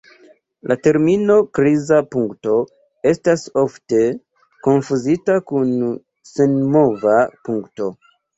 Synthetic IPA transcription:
lʔate̞ɾmino̞kɾizapuŋkto̞ | e̞staso̞fte̞ | ko̞nfuzitakun | se̞nmo̞vapuŋkto̞

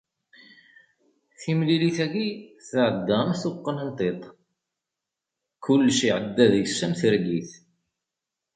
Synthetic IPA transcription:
θimliliθæɡiθəʕəd̪ːæmθuqːənənt̪ˤet̪ˤ | kʰʊlːʃiʕəd̪ːæðjəsːæmθɾɡiθ

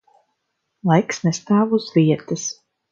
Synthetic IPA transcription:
lˠajksnɛst̪aːvuzviɛt̪ɨs

